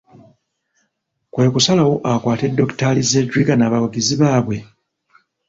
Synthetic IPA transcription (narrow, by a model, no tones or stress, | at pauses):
kwe̞ːkusalawoʔakwaːte̞dːoktalizedɾikanaβawuɡiziβaːβwe̞